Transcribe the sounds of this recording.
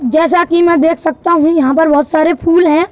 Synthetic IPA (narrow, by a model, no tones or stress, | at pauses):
d͡ʒɛːsakimɛ̃ːd̪eːkʰsɐk̚t̪aɦũjɐɦãpɐɾbɐɦʊt̪saːɾepʰuːlɦɛ̃ː